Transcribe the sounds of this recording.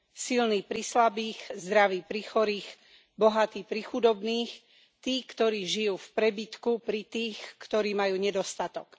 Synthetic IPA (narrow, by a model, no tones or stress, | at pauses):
silniːpɾislabiːxzd̪ɾaʋiːpɾixɔɾiːx | bɔɦat̪iːpɾixud̪ɔbniːx | t̪iːkt̪ɔɾiːʒijuːfpɾɛbit̪kupɾit̪iːxkt̪ɔɾiːmajuːɲɛd̪ɔst̪at̪ɔk